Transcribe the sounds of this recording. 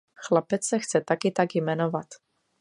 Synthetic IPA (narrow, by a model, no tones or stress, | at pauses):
xlapɛt͡ssɛxt͡sɛt̪akɪt̪aɡjmɛnovat̪